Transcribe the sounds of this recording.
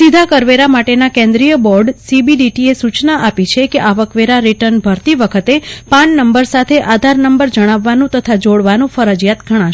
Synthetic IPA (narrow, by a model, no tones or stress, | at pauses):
sid̪ʱakəɾʋeɾamaʈenakɛ̃nd̪ɾijəbɔɾɖsibiɖiʈiesut͡ʃnaʔapit͡ʃʰekeʔaʋəkʋeɾaɾiʈəɾnbʱəɾt̪iʋəkʰət̪epãɳnəmbəɾsat̪ʰeʔad̪ʱaɾnəmbəɾd͡ʒəɽ̃aʋːanũt̪ət̪ʰad͡ʒoɽʋanũfəɾəd͡ʒjat̪ɡʱəɽ̃ãʃ